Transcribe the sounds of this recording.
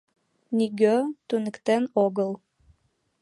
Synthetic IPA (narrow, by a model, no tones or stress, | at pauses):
niɡøt̪unɘ̆kt̪enoɣəlˠ